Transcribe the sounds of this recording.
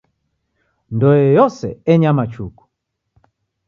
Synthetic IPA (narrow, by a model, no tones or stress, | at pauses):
ndɔjɔjɔsɛɛɲamat͡ʃuku̥